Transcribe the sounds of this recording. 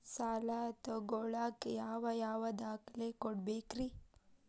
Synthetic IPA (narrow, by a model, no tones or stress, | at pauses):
saːlat̪ɔɡoɭaːkejaːʋɐjaːʋɐd̪aːklekɔɽbeːkɾi